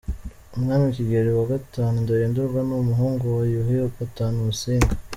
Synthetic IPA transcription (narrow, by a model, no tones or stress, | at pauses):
umŋaːniiciɡeɾiwaɡataːnundajeːnduɾɡwanumuɦuːŋɡojuɦiopataːnuβusiːŋɡa